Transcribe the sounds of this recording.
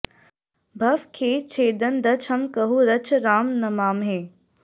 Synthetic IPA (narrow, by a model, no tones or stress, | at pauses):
bʱɐʋkʰeːt͡ʃʰeːd̪ənd̪ɐt͡ʃʰɐmkɐɦuɾɐt͡ʃʰɾaːmnɐmaːmɦeː